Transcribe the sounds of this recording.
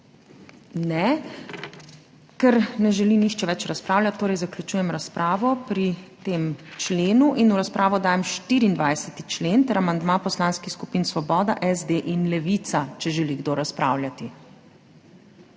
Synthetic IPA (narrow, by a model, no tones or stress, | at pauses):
nɛ | kɛɾnɛʒɛlinixt͡ʃɛʋɛt͡ʃɾaspɾaːwlʲat̪ːoːɾɛjzaklʲjut͡ʃuːjɛmɾaspɾʔaːʋɔpɾit̪emt͡ʃleːnuʔinuɾaspɾʔaːʋɔd̪aːjɛmʃt̪iːɾiːnd̪ʋajsɛt̪i̥t͡ʃleːnt̪ɛɾamand̪mapɔslaːnskixskupiːnsʋɔbɔːd̪aʔɛzd̪eʔinlɛʋit̪sat͡ʃɛʒɛliɡd̪oːɾaspɾa̰ːwlʲjʲat̪i